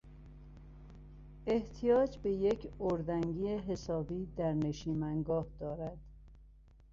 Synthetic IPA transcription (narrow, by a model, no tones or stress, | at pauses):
e̞ht̪ʰijɒːd͡ʒbe̞jecʰoɾd̪æŋɡiːeɦe̞sɒːbiːd̪æɾne̞ʃiːmæŋɡɒːhd̪̥ɒːɾæd̪̥